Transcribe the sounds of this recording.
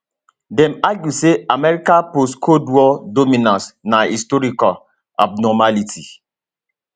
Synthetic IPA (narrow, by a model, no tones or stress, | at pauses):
dɛmaɡjuseamɛɾikanposkʰodwɔdomĩnãnsnaistɔɾikal | a̰b̚nɔmalitʰḭ